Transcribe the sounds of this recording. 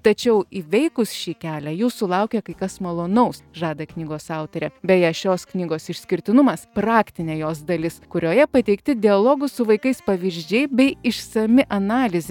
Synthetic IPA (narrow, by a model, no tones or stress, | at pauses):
t̪ɐt͡ʃʲɛʊiʋʲɛɪkʊsʃʲiːkʲæːlʲæjuːssʊlˠɐʊkʲɛkɐɪkɐsmɐlˠoːnɐʊsʒɑːd̪ɐknʲiːɡoːsɑˑʊt̪ʲɐɾʲɛbʲɛjɛʃʲoːsknʲiːɡoːsɪʃʲsʲkʲɪɾʲt̪ʲɪnʊmɐspɾɑːkt̪ʲɪnʲeːjoːsd̪ɐlʲɪskʊɾʲoːjɛpɐt̪ʲɛɪkt̪ʲɪd̪ʲɪɐlˠoːɡʊsʊʋɐɪkɐɪspɐʋʲɪʒʲd͡ʒʲɛɪbʲɛɪɪʃsɐmʲɪʔɐnɑːlʲɪzʲɪ